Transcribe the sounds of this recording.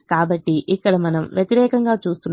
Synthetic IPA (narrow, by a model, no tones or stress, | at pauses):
kaːbɐʈːiʔikːɐɽɐmɐnɐmʋjɐt̪iɾɛːkɐŋɡaːt͡ʃuːst̪un